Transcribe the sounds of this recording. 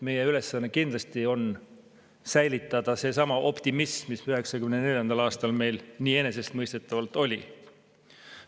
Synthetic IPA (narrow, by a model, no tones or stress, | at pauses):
me̞jeyle̞sːɑnːekind̪lɑst̪io̞n | sæjlit̪ːˑɑd̪̥ɑse̞sɑmɑʔo̞pt̪imismisyɦe̞ksɑkymnene̞lʲjɑnd̪ɑlɑːst̪ɑlme̞jlniːe̞ne̞se̞st̪mɤjst̪e̞t̪ːˑɑvɑlt̪ːˑo̞lʲi